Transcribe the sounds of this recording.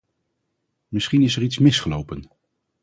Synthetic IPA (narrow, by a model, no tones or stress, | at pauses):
mɪsχinɪsəɹitsmɪsχəlowpən